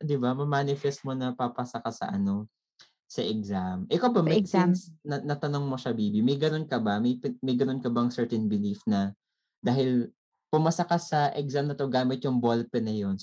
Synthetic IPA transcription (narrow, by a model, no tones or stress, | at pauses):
d̪ɪbamɐmaːnɪfɛst̪̚mo̞nɐpapɐsɐkasɐ̰ʔɐno̞ | sɐʔɛkzamʔɛkawbɐmɐɡsɛnsnɐnɐt̪ɐno̞ŋmo̞ʃɐbiːbimɐjɡɐno̞nkɐbɐmɐjmɐjɡɐno̞nkɐbɐŋsɛɹt̪ɛnbɪlifnɐ | d̪aːɦɪl | pʊmɐsɐkasɐʔɛɡ̚samnɐt̪o̞ɡaːmɪt̪̚jʊŋbolpɛnɐjo̞n